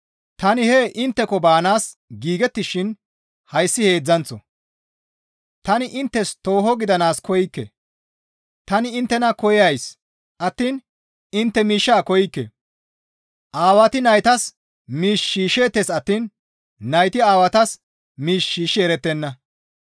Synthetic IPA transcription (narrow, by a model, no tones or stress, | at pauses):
t̪ɐnɪheʔɪnt̪ːɛkɔbaːnaːs | ɡiːɡɛt̪ːɪʃːɪn | hɐjsːɪhe̞ːd͡zːɐnt͡sːɔ̰ | t̪ɐnɪʔɪnt̪ːɛst̪o̞ːɦɔɡɪd̪ɐnaːskʰɔjɪkːɛ̰ | t̪ɐnɪɪnt̪ːɛnɐkɔjɐjs | ʔɐt̪ːiːn | ɪnt̪ːɛmiːʃːaːkɔjɪkːḛ | ʔaːwɐt̪ɪnɐjt̪ɐs | miːʃːiːʃe̞ːt̪ːesɐt̪ːiːn | nɐjt̪ɪaːwɐt̪ɐs | miːʃːiːʃeːɾɛt̪ːɛnːɐ